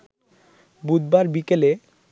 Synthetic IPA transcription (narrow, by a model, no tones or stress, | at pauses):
bud̪̚baɾbikele